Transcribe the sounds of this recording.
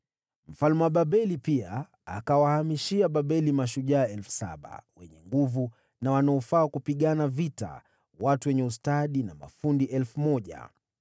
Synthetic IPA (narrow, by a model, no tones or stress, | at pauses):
m̩falmɛwaɓaɓɛlipia̰ː | kawahamiʃiaɓaɓɛlimaʃuʄaːɛlfu̥sa̰ɓa̰wɛɲɛŋɡuvu | nawanaɔfaːkupiɠanavita̰ | watuwɛɲɛus̬taɗinama̰fundiʔɛlfumɔʄa̰